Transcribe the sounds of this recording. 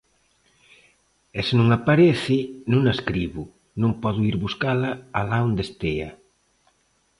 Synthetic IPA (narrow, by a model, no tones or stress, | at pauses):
ɛsenũŋapaɾeθɪnũŋaeskɾiβʊ | nõmpɔðʊiɾβuskalaalaond̪est̪ea̰